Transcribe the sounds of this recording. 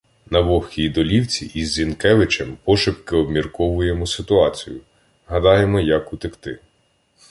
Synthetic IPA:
nɐʋɔxʲkʲid̪ɔlʲiwt͡sʲḭʔizːʲinkɛʋɪt͡ʃɛmpɔʃɪpkɪɔbmʲirkɔʋʊjemɔsɪt̪ʊɑt͡sʲijʊ | ɦɐd̪ɑjemɔjɐkʊt̪ɪkt̪ɪ

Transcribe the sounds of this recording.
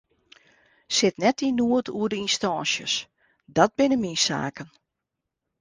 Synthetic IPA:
sɪtnɛt̚inuətʰuədəinstɔːnsjə̰s | dɔt̚bɪnəminsa̰ːkən

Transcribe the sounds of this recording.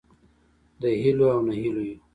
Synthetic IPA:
d̪əɦiloawnaɦiloju

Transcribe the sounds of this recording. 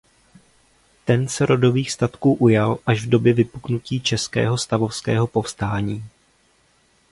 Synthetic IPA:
t̪ɛnsɛɾʔo̞do̞viːxst̪at̪kuːʔujalʔaʒvdo̞bjɛvɪpuknuciːt͡ʃɛskɛ̰ːɦo̞st̪avo̞fskɛ̰ːɦo̞po̞fst̪aːɲiː

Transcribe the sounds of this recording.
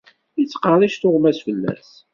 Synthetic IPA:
it͡sːqəˤiʃt̪ʊʁmæsfəlːæ̰s

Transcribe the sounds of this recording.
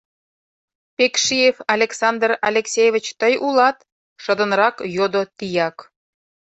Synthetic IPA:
pʲekʃijefɑlʲeksɑnd̪rɑlʲeksʲejevʲət͡ɕt̪əjʔulɑt̪ | ʃə̆d̪ə̆nrɑkjod̪ot̪ijɑk

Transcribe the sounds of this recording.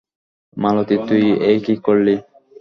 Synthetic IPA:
malot̪it̪ujejkikoɾli

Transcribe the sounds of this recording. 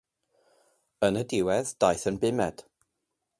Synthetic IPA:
ənədɪwɛðd̥ajθənbɪmɛd̥

